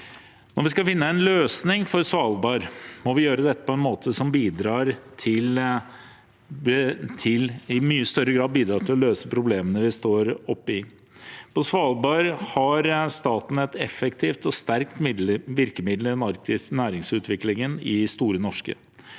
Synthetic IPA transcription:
nɔɾʋɪskɑlfɪnːəɛnløːsnɪŋfɔɾsʋɑːlˠbɑːɾmɔʋɪjøːɾəd̪ɛt̪ːəpʰɔɛnmoːt̪ʰəsɔmbiːd̪ɾɑːɾt̪ʰɪl | t̪ʰɪlɪmyːəst̪œɾəɡɾɑːd̪biːd̪ɾɑːt̪ʰɪlɔløːsəpʰɾʊbleːmənəʋɪst̪oːɾɔpːɪ | pʰɔsʋɑːlˠbɑɾhɑɾst̪ɑːt̪n̩ɛt̪ɛfːɛkt̪ʰiːft̪ɔst̪æɾkt̪mɪʋɪɾkəmɪd̪ləɾɛnɑɾkɪnæːɾɪŋsʉːt̪ʰʋɪklɪŋənɪst̪uːɾənɔʂkə̰

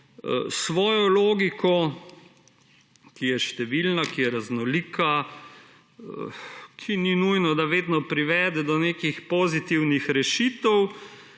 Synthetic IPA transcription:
sʋɔːjɔloːɡikʰɔ | kijɛʃt̪ɛʋilnakijɛɾaznɔliːka | kʰininujnɔd̪aʋeːd̪nɔpɾiʋɛːd̪ɛd̪ɔneːkixpozit̪iwnixɾɛʃit̪ɛw

